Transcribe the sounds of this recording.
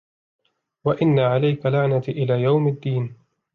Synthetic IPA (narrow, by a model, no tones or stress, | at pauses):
waʔɪnːaʕalajkalaʕnat̪ʔɪlaːjawmad̪ːiːn